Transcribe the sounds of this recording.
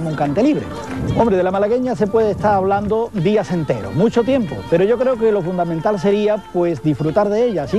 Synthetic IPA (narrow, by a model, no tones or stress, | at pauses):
muŋkant̪e̞liβɾḛ | õmbɾe̞ðelamalaɣe̞ɲase̞pwe̞ð̞est̪aɾaβland̪o̞d̪iase̞nt̪e̞ɾo̞̰mũt͡ʃo̞t̪je̞mpo̞̰pe̞ɾo̞ʝo̞kɾe̞oke̞lo̞fund̪amẽnt̪alse̞ɾiapwe̞zd̪ifɾut̪aɾðe̞eʎasi